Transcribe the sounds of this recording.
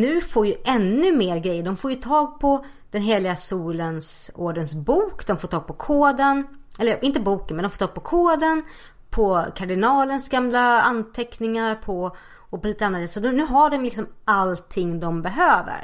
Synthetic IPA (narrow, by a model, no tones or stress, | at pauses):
nʉ̟ːfoːɾjɵʔɛnːɵmeːɾɡɾɛjːəɖɔmfoːɾjɵt̪ʰɑːɡ̚pʰɔ | d̪̥ɛnɦeːlɪɡasuːlənsoːɖənsbuːkd̪ɔmfoːʈ̪ʰɑːɡ̚pʰɔkʰoːd̪ənɛlːəɾʔɪnt̪əbuːkənmɛnɔmfːt̪ʰɑːɡ̚pʰɔkʰoːd̪ən | pʰɔkʰaɖɪnɑːlənsɡamlaant̪ʰɛknɪŋaɾpʰɔ | ɔpɔliːt̪əanːɾd̪eːsɔd̪nʉ̟ːɦaɖɔmlɪksɔmʔalt̪ʰɪŋːd̪ɔmbɛɦøːvə̰ɾ